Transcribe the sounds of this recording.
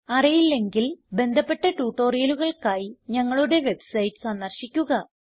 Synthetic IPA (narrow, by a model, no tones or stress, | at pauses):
ɐrɐjilːe̞ŋɡilbe̞nd̪ʱɐpːe̞ʈːɐʈuːʈːo̞ːrijɐluɣɐɭkaːjiɲɐŋːɐɭuɽe̞ʋe̞bsɐjtːɨ̥sɐnːɐrɕikʲːuɣɐ